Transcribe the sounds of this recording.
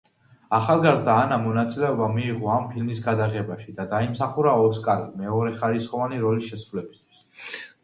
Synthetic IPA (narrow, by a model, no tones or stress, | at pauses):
aχalˠɡaɾzd̪aːnamɔnat̪sʼilɛɔbamiːʁɔampʰilmisɡad̪aʁɛbaʃid̪ad̪aimsaχuɾaɔskʼaɾimɛɔɾɛχaɾisχɔvaniɾɔlisʃɛsɾulɛbist̪ʰwi̥s